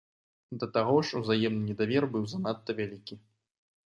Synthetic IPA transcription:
d̪ɐt̪aɣɔʂuzajɛmnɨnʲɛd̪avʲɛrbɨwzanat̪ːɐvʲalʲikʲi

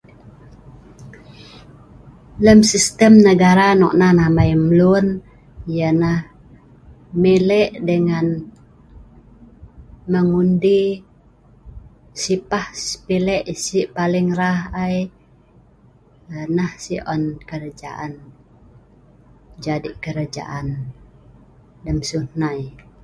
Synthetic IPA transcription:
ləmsist̪əmnəɡaɾanɔ̰ʔnahnahmaimlun | janah | milɛʔdəŋan | məŋundi | sipahsə̥pilɛʔsiʔpalɪŋraɦaj | nahsiʔɔnkəɾad͡ʒa̰ʔan | d͡ʒadiʔkəɾad͡ʒa̰ʔan | dəmsuhnaj

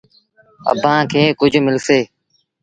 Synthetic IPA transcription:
ə̰bãːkʰeːkʊd͡ʒʱmɪlseː

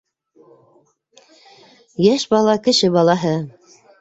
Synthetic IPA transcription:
jæʃbɑlˠɑkɘ̆ʃɘbɑlˠɑɦɤ

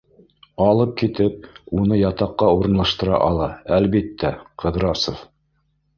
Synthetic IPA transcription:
ɑlˠɤp̚kit̪ɘp̚unɤjɑt̪ɑqːɑuɾɤ̆nlˠɑʃt̪ɤ̆ɾɑ̰ʔɑlˠɑælβit̪ːæqʰɤ̆ðɾɑsof

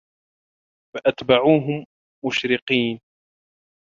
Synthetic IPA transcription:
faʔat̪baʕuːɦʊmː | ʊʃɾɪqiːn

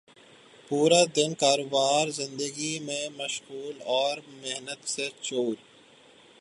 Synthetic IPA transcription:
puːɾad̪ɪnkaːɾobaːɾzɪ̃nd̪əɡimẽmɐʃɣuːlɔːɾmeɦnət̪set͡ʃoːɾ

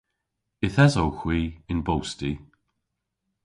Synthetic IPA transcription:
ɪθɛzowxwiːɪnbowsti

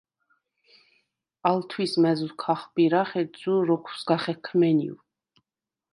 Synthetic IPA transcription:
alt̪ʰwismɛzukʰaχbiɾaχɛzuɾɔkʰu̥sɡaχɛkʰmɛnḭw

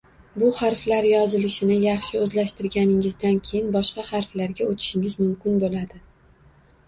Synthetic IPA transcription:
bʊhaɾflaɾjɒzɪlɪʃɪnɪjɑχʃɪɵzlaʃt̪ɪɾɡʲanɪŋɪzd̪ankʲʰejɪnbɒʃqɑhɑɾflaɾɡʲaot̪ʰɪ̥ʃɪŋɪzmʊmkʲɪnbolad̪ɪ

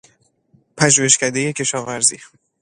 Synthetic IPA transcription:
pʰæʒuːheʃkæd̪e̞je̞cʰe̞ʃɒːvæɾzḭ

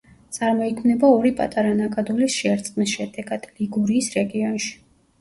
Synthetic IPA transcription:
t̪sʼaɾmɔikʰmnɛbaɔɾipʼa̰t̪ʼaɾanakʼad̪ulisʃɛaɾt̪sʼqʼmisʃɛd̪ɛɡad̪̥liɡuɾiːsɾɛɡiɔnʃi̥

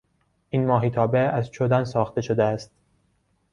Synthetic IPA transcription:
ʔiːnmɒːɦiːt̪ʰɒːbeæzt͡ʃʰod̪ænsɒːxt̪e̞ʃod̪eæst̪

